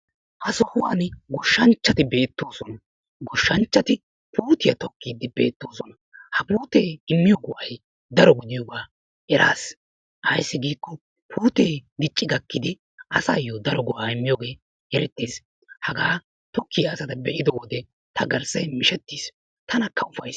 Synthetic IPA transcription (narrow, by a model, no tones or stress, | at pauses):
hɐsɔhʊwaːnɡɔʃːɐnt͡ʃːɐt̪ɪbeːt̪ːo̞ːsɔnɐ | ɡɔʃːɐnt͡ʃːɐt̪ɪ | puːt̪ɪjɐ̰t̪ɔkːiːd̪ɪbḛːt̪ːo̞ːsɔnɐ | hɐpuːt̪eːɪmːɪjoɡʊʔɐj | d̪ɐɾɔɡʊd̪ɪjoːɡaː | ɛɾʔa̰ːs | ʔɐjsːɪɡiːkːɔ | pʰuːt̪eːd̪ɪt͡ʃʼːɪɡɐkːɪd̪ɪ | ʔɐsa̰ːjod̪ɐɾɔɡɔʔaːɪmːɪjoːɡe̞ː | ɛɾɛt̪ːeːs | hɐɡaː | t̪ɔkːɪjɐːsɐt̪ɐbɛʔɪd̪ɔwɔd̪ɛ | t̪ɐɡɐɾsɐjmɪʃɛt̪ːiːs | t̪ʰɐnɐkːɐʊfɐjs